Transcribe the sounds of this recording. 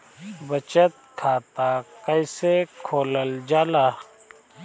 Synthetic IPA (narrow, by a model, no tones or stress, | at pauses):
bɐt͡ʃɐt̪̚kʰaːt̪akɐjsekʰoːlɐld͡ʒaːlaː